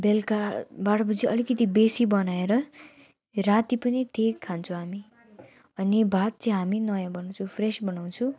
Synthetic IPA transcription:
belkabaɽʌbud͡ziʌlikʌt̪ibesibʌnaeɾʌ | rat̪ipʌnit̪ʰekkʰːant͡sʰũɦami | ʌnebʱat̪̚t͡sʌĩɦaminʌjãbʌnaw̃t͡sʰupʰresbʌnaw̃t͡sʰũ

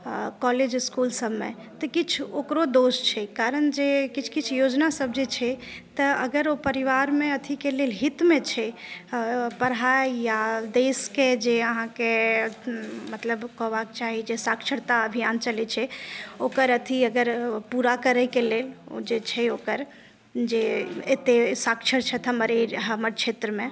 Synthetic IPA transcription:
kɔled͡ʒskulsəbmḛ | t̪əkit͡ʃʰokɾod̪ost͡ʃʰɛkaɾənd͡ʒekit͡ʃʰkit͡ʃʰjod͡ʒnasəbʱd͡ʒet͡ʃʰɛt̪əəɡəɾopəɾiʋaɾmeət̪ʰikelelɦit̪met͡ʃʰɛ | pəɾɦajjad̪esked͡ʒeəɦãke | mət̪ləbkɔɦbakt͡ʃaɦid͡ʒesakt͡ʃʰəɾt̪aəbʱijant͡ʃəlɛt͡ʃʰɛokəɾət̪ʰiəɡəɾpuɾakəɾəjkelel̰d͡ʒet͡ʃʰɛokəɾ | d͡ʒeet̪esakt͡ʃʰəɾt͡ʃʰɛt̪ʰəməɾeɦəməɾt͡ʃʰet̪ɾəmẽ

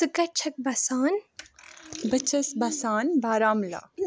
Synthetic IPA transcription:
sɨkɐt͡ʃʰɐk̚bɐsaːn | bɐt͡ʃʰɐsbɐsaːnbaːɾaːmla̰ː

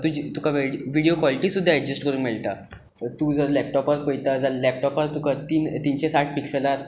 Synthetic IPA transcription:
t̪ũd͡ʑit̪ukaʋeʋiɽijokʋɔliʈisud̪ʱːaɛd͡ʑesʈkəɾũːnmeɭt̪a | t̪ũːd͡zəɾlɛp̚ʈɔpəɾpəjt̪ad͡zəɾlɛp̚ʈɔpəɾt̪ukat̪iːnt̪iɲt͡ɕẽsaʈ̚piksəlaɾ

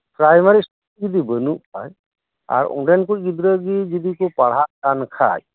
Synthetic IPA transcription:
pɾajmaɾisʈ | d͡ʒid̪ibənuʔpʰa̰j | a̰ɾṵ̃ɖɛnkuid̪ɾəɡid͡ʒid̪ikupaɽ̤ɦaʔkankʰa̰j

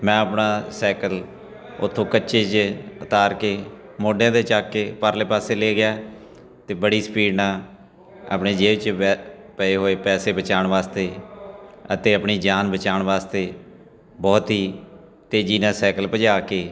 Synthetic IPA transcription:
mɛ̃ːəpɳaːsɛːkəl | ʊt̪ʰːõːkətːʃeːt͡ʃət̪aːɾkeː | moːɖjãːd̪eːt͡ʃaːkːeːpəɾleːpaːseːleːɡɪjaː | t̪eːbəɽiːsə̥piːɖnaː | a̰ːpɳeːd͡ʒeːʋɪt͡ʃː | pəeːɦoːeːpɛːseːbət͡ʃaːɳʋaːst̪eː | ət̪eːəpɳiːd͡ʒaːnbət͡ʃaːɳʋaːst̪eː | bɔːt̪ɦiː | t̪eːd͡ʒiːnãːsɛːkəlpəd͡ʒaːkeː

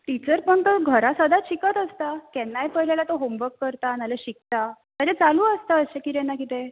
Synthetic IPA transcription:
ʈit͡səɾpəɳt̪əɡʱəɾasəd̪ʱaɕikət̪əst̪akɛnːajpəɦlelat̪oɦombəkːəɾt̪analeɕik̚t̪a | t̪əd͡ʑẽt͡saluːəst̪aəsɕekiɾenːakit̪e

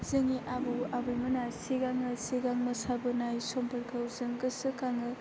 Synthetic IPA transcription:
zɐŋiʔabuabɯjmɐnaseɡaŋɯseɡaŋmɐsabɯnajsompɐɾkʰɐwzɐŋɡɐsɯkaŋɯ

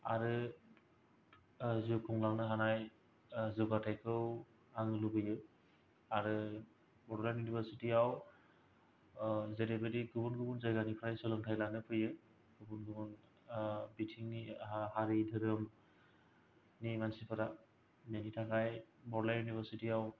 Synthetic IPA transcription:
aɾɯ | zukʰuŋlaŋnɯɦanaj | zɔɡatʰajkʰɯw | aŋɯlubɯjɯ | aɾɯ | bɔɾɔlanjunibʰəɾsitiaw | zeɾebɯɾiɡɯbunɡɯbunzajɡanipʰɾajsɯlɯŋtʰajlanɯpʰɯjɯ | ɡɯbunɡɯbun | bitʰiŋahaɾidʱɯɾɯm | nimansipʰɯɾa | nenitʰakajbɔɾlajunibʰəɾsitiaw

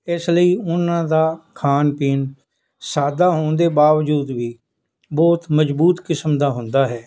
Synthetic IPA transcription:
ɪsləiːʊnãːd̪aːkʰaːnpiːn | saːd̪aːɦoːnd̪eːbaːʋd͡ʒuːd̪ʋiː | bɔːt̪məd͡ʒbuːt̪kɪsmd̪aːɦʊ̃nd̪aːɦɛː

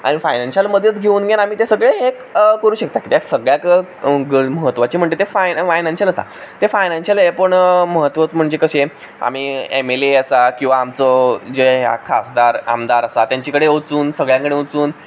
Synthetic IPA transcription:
a̰ɽ̃ifajnanɕəlməd̪ʱjət͡sɡʱeuːnɡenam̤iːt̪esəɡɭeekkəɾuːɕək̚t̪akiːt̪jaksəɡɭjakɡəməɦət̪ːʋat͡ɕiːm̤əɳʈt̪et̪efafajnãnɕələsa̰t̪efajnãnɕəlepəɳməɦət̪ːʋət͡sm̤əɳd͡ʑekəɕe | a̰m̤iːemeleəsakĩw̃ʋaːmt͡sɔd͡ʑeɦja̰kʰasd̪aɾa̰md̪aɾəsat̪jaɲt͡ɕikəɽeot͡suːnsəɡɭjakəɽeut͡suːn

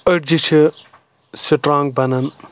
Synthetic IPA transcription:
ɐʈ̚d͡ʒit͡ʃʰi | siʈɾãːŋɡ̚bɐnɐn

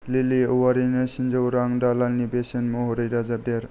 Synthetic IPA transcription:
liliowaɾinɯsind͡ʒawɾaŋdalalnibesenmɔɦɔɾɯjɾazap̚deɾ

